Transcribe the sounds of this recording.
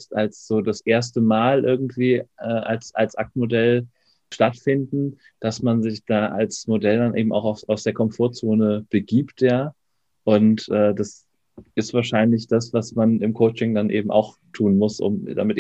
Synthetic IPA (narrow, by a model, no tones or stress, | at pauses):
stalsz̥oːdasʔeːɐstəmaːlʔɪɐɡŋ̩tv̥iːʔɛːʔalsʔalsʔak̚tmodɛl | ʃtatfɪndn̩ | d̥asmanzɪçd̥aːʔalsmodɛldanʔḛːbm̩ʔa̰ʊxaʊaʊsd̥eːɐkʰɔmfoːɐt͡soːnəb̥əɡiːptjaː | ʔʊntʔɛːdas | ɪstv̥aːɐʃaɪnlɪçd̥asv̥asmanɪmkʰoʊt͡ʃɪŋdanʔḛːbm̩ʔa̰ʊxtʰuːnmʊsʔʊ̰mda̰mɪtː